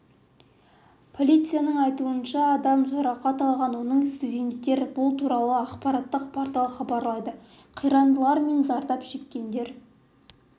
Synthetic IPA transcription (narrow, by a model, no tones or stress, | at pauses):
pʰo̞lʲijt̪sɨjanəɴɑjt̪uənʃɑːd̪ɑmʒɑɾɑqɑt̪ɑlˠʁɑnwo̞nəɴst̪udʲe̞nt̪ːe̞ɾbʊlˠt̪ʰuɾɑlˠəɑqpɑɾɑt̪ːəqpʰɑɾt̪ˠəχɑbɑɾlˠɑjd̪ə | qʰijɾɑnd̪əlˠɑɾme̞nzɑɾd̪ɑpʃe̞kʲːe̞nd̪e̞ɾ